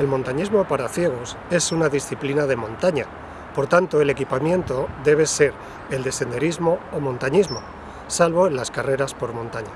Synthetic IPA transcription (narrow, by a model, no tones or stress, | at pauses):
e̞lmo̞nt̪aɲizmo̞paɾaθje̞ɣ̞o̞se̞sunaðisθiplinaðe̞mõ̞nt̪aɲa | po̞ɾt̪ant̪o̞e̞le̞kipamjẽ̞nt̪o̞ðe̞β̞e̞se̞ɾ | e̞ld̪e̞sθe̞nd̪e̞ɾizmo̞ːmõ̞nt̪aɲizmo̞ | salβo̞elaskare̞ɾaspo̞ɾmõ̞nt̪aɲa